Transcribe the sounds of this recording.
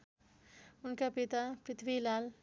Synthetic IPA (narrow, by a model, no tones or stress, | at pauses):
ʊnkapit̪apɾɪt̪ʰʋilaːl